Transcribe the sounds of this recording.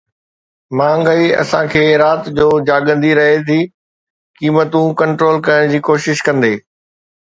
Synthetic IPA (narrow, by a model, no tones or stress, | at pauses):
mãːŋɡəiɐ̰sãkʰeːɾaːt̪d͡ʑoːd͡ʑaːɡə̃nd̪iɾɐɦet̪ʰiː | kiːmət̪ũkɐ̃ɳʈɾoːlkɐjəɽ̃d͡ʑiːkoːʃɪʃkɐ̃nd̪eː